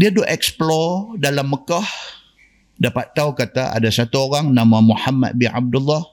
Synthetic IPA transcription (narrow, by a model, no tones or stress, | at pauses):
diadoʔɛksplɔdalamːəkah | dapat̪ːaukat̪aa̰dasat̪uoɾaŋnamamuħamːa̰d̪̚binʕa̰b̚dulːɔh